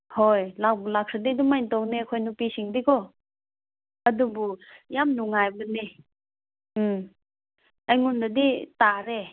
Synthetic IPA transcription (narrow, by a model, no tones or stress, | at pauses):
hojlak̚bulak̚sadidumajntɔwnekʰojnupisiŋdikɔ | ɐdubujamnuŋajbəni | m | ajŋundaditaɾe